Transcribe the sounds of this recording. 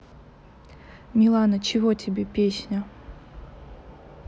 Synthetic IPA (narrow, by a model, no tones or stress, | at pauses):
mʲɪlˠanət͡ɕɪvotʲʰɪbʲepʲesʲnʲə